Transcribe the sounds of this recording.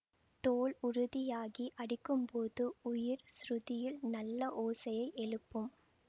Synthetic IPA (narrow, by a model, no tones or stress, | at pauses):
t̪oːɭʊɾʊðɪjaːɣiʔɐɽɪkːɯmpoːðɯʊjɪɾsɾʊðɪjɪlnɐlːɐʔoːsɐjɐɪʔɛɻɯpːɯm